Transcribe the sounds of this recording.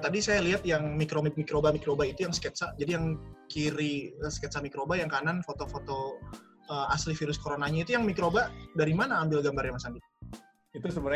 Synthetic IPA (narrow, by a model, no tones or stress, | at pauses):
t̪adisajaliɦat̪̚jaŋmikɾomimikɾobamikɾobait̪ujaŋskɛt̪sad͡ʒadijaŋkiɾiəskɛt̪samikɾobajaŋkananfot̪ofot̪o | əaslifiɾʊskoɾonaɲait̪ujaŋmikɾobadaɾimanaːmbɪlɡambarjamasandit̪ | it̪usəbəɾ